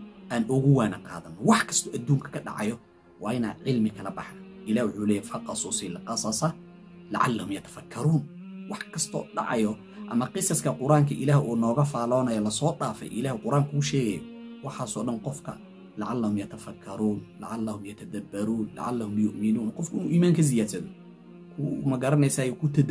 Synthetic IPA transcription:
ʔaːnʔʊɣʊwaːnɐqɑ̰ːðɐnːɔwɑħkʰɐ̥st̪ʰɔːʔɐd̪uːŋkʰɐ̥kʰɐɖɑ̰ʕɑ̰jɔ | wɑːɪna̰ːd̪ʕɪlmɪkʰɐlɐbɑħðɐʔɪlaːhjwʊħuːlɛːjɛfɐqɑsusiːlqɑsɐsɐ | lɐ̰ʕa̰lːɐhʊmjɐt̪ʰɐ̥fɐkʰːɐɾuːnwɑħkʰɐst̪ʰɔ̰ːɖɑ̰ʕɑ̰jɔ | ʔɐ̰mɐqɪsɐskʰɐqʊɾʔaːŋkʰɐʔɪ̰laːhʔuːnɔːɣɐfaːlɔːnɐjɔlɐsɔːɗaːfɛ̰jʔɪ̰laːhɪqʊɾʔaːŋkʰʊʊʃɛːɣɛjɔwɑħaːsɔːɗɐnqɔfkʰɐ̰ | lɐʕalːɐhʊmjɐt̪ʰɐfɐkʰːɐɾuːnlɐ̰ʕalːɐhʊmjɐt̪ʰɐd̪ɐbːɐɾuːnlɐ̰ʕalːɐhʊmjʊʔmɪnuːnqɔfkʰɐɪnuʔiːmaːŋkʰɐzɪjaːd̪sɐðɔ | kʰʊmɐɡɐɾɐnɛjsaːjɔkʰʊt̪ʰɐd̪

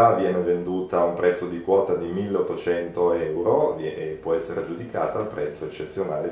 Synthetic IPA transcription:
avjɛːnevend̪uːt̪aumpɾɛt̪sːod̪ikwɔːt̪ad̪imilːeot̪ːot͡ʃɛnt̪oɛwɾopːwɔɛsːeɾad͡ʒud̪ika̰ːt̪aːlpɾɛt̪sːoet͡ʃːet̪sːjonaːle

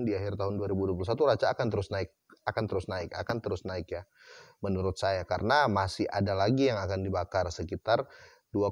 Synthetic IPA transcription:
ndiaɦɪrt̪aɦʊnduaɾibuduaplusat̪uɾat͡ʃaːkant̪əɾʊsnaɪk̚akant̪əɾʊsnaɪka̰kant̪əɾʊsnaɪkja | mənuɾʊt̪̚sajakaɾənamasɪha̰dalaɡijaŋakandibakarsəkit̪ar | dua

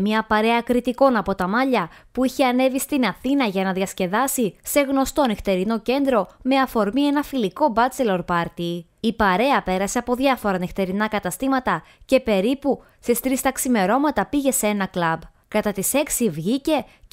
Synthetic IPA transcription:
mɲɐpɐɾe̞ɐkɾit̪iko̞nɐpo̞t̪ɐmɐʎɐpuiçeɐne̞vist̪inɐθinɐʝɐnɐðjɐsce̞ðɐsise̞ɣno̞st̪o̞nixt̪e̞ɾino̞ce̞nd̪ɾo̞me̞ɐfo̞ɾmie̞nɐfiliko̞bɐt͡se̞lo̞ɾpɐɾt̪i | ipɐɾe̞ɐpe̞ɾɐse̞ɐpo̞ðʝɐfo̞ɾɐnixt̪e̞ɾinɐkɐt̪ɐst̪imɐt̪ɐ | ce̞pe̞ɾipu | sest̪ɾist̪ɐksime̞ɾo̞mɐt̪ɐpiʝe̞see̞nɐklɐb | kɐt̪ɐt̪ise̞ksivʝice̞

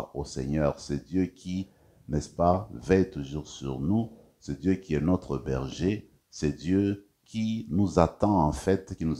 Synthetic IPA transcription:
osɛ̰ɲœʁsɛd̪jøkʰʲi | nɛspavɛjt̪uʒuʁsy̰ʁnu | sɛd̪jøkʲiɛnɔt̪χəbɛʁʒe | sɛd̪jø | kʰʲinuzat̪ɑ̃ɑ̃fɛt̪kinu

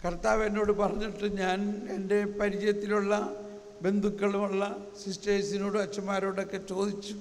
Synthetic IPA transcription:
kɐrt̪aːʋeno̞ːɽɨpɐrɐɲːiʈːɨɲaːne̞nde̞pɐɾid͡ʑɐjɐt̪ːiluɭːɐ | be̞nd̪ʱukːɐɭumuɭːɐ | sistɐjsino̞ːɽɨɐt͡ɕːɐmːaːɾo̞ːɽo̞kːe̞t͡ɕo̞ːd̪it͡ɕːu

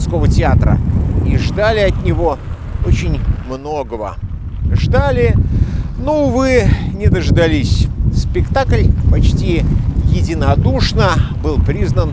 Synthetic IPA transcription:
sko̞vətʲɪat̪ɾə̰iʐd̪alʲɪɐt̪ʲnʲɪvo̞ | ot͡ɕɪnʲmno̞ɡəvə̰ʐd̪alʲɪ | novɨnʲɪd̪əʐd̪ɐlʲisʲspʲɪkt̪aklʲpɐt͡ɕtʲijɪdʲɪnɐd̪uʂnəbɨlˠpɾʲiznən

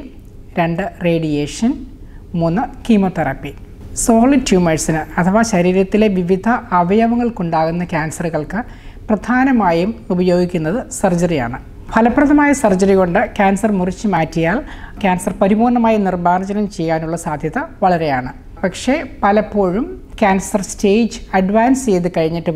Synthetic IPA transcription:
ɾe̞ɳɖɨre̞ːɖijeːʂɐn | muːnːɨkimot̪ɐrɐpːi | so̞ːɭitjuːmeʈsinɨɐt̪ʰɐʋɐɕɐɾiːɾɐt̪ːile̞ʋiʋid̪ʱɐʔɐʋɐjɐʋɐŋːɐɭkuɳɖaːɣunːɐkʲaːnsɐruɣɐɭkɨ | prɐd̪ʱaːnɐmaːjumubɐjo̞ːɡikʲːunːɐðɨsɐrd͡ʑɐrija̰ːɳɨ | pʰɐlɐprɐðʱɐmaːjɐsɐrd͡ʑɐɾiɣo̞ɳɖɨkʲjaːnsɐrmurit͡ɕːɨmaːtːijaːlkʲaːnsɐrpɐɾiboːnːɐmaːjinirbaːrd͡ʑɐnɐmt͡ɕe̞jːaːnuɭːɐsaːd̪ʱjɐðɐʋɐɭɐɾe̞jaːɳɨ | pɐkʂe̞pɐlɐpːo̞ːɻum | kʲaːnsɐrste̞ːd͡ʑɨɐɖʋaːnseːðɨkɐɻiɲːiʈːɨ

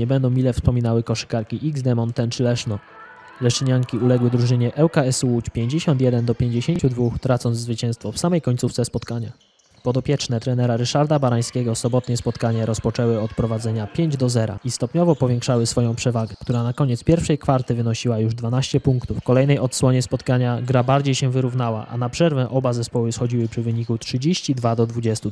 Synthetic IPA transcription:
ɲɛbɛnd̪ɔ̃w̃mʲilɛfspɔmʲinawɘkɔʂɘ̥kaɾkʲiʔiɡzd̪ɛmɔnt̪ːɛnt͡ʂɘlɛʂnɔ | lɛʂɘɲaŋkʲiulɛɡwɘd̪ɾuʐɘɲɛʔɛwkaɛsuwut͡ɕpʲjeɲd͡ʑeɕɔnt̪jɛd̪ɛnd̪ɔpʲjeɲd͡ʑeɕeɲt͡ɕud̪vuxt̪ɾat̪sɔnzzvɘt͡ɕɛw̃st̪fɔfsamɛjkɔɲʲt̪suft̪sɛspɔt̪kaɲa̰ | pɔd̪ɔpʲjɛt͡ʂnɛt̪ɾɛnɛɾaɾɘʂaɾd̪abaɾaj̃skʲɛɡɔsɔbɔt̪ɲɛspɔt̪kaɲaɾʔɔspɔt͡ʂɛwɘɔt̪pɾɔvad̪zɛɲapʲjeɲd͡ʑd̪ɔzɛɾa̰ʔist̪ɔpɲɔvɔpɔvʲjɛ̃ŋkʂawɘsfɔjɔ̃w̃pʂɛvaɡɛkt̪uɾanakɔɲɛt̪spʲjɛɾfʂɛjkfaɾt̪ɘvɘnɔɕiwajuʐd̪vanaɕt͡ɕɛpuŋkt̪ufkɔlɛjnɛjɔt̪swɔɲɛspɔt̪kaɲaɡɾabaɾd͡ʑejɕɛ̃vɘɾuvn̪awa̰ʔa̰napʂɛɾvɛʔɔbazɛspɔwɘsxɔd͡ʑiwɘpʂɘvɘɲikutʂɘd͡ʑeɕt͡ɕid̪vad̪ɔd̪vud͡ʑɛst̪u

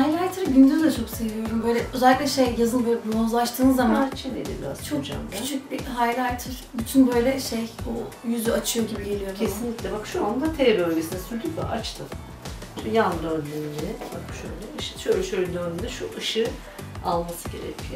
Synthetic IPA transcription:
hajlʲajt̪ʰɯɾɟynd̪yzd̪ɛt͡ʃʰo̞ksevʲijo̞ɾumbø̞jlʲɛʔøzɛlʲiklʲɛʃejjazɯnbølɛbunazlˠaʃt̪ʰɯːnɯzːamat͡ʃʰnḛd̪ḭbḭɾa̰z̥t͡ʃʰokd͡ʒa̰mʰyt͡ʃʰyc̚ʲbiɦajlʲajt̪ʰɯɾ̥byt̪ʰynbø̞jlʲɛʃejujyzyat͡ʃʰɯjo̞ɟibiɟe̞lʲijo̞ɾʰesinlʲicʲlʲɛbakʃuand̪at̪ʰelɛbø̞lʲɟʲesinɛsyɾd̪ybɛ̰ʔat͡ʃt̪ʰɯm | jand̪ɾɯønlenid͡ʒiɛba̰kʃø̰jlʲɛɯʃɯ̥ʃølʲʃølʲd̪ønynd̪ɛʃuʔɯʃɯ | a̰lˠmasɯɟe̞ɾḛcʰijo

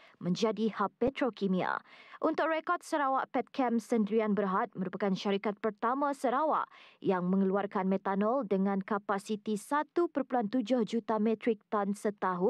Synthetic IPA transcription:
mə̃ɲd͡ʒadihapːɛt̪ɾokimĩa̰ʔunt̪ʊk̚rekɔrt̪̚səɾawaʔpɛt̪̚kʰɛmsəndɾianbərɦat̪̚mə̃ɾupakanʃaɾikat̪̚pərt̪amãsəɾawa̰ʔjaŋmə̃ŋəluarkanmɛt̪anɔldəŋãnkapasit̪isat̪upərpulant̪ud͡ʒʊhd͡ʒut̪amɛ̃t̪ɾɪk̚t̪ansət̪aɦʊn

